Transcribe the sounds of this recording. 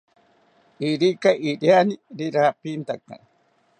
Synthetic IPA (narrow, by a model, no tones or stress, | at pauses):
iɾikaʔiɾjaniɾiɾapint̪aka̰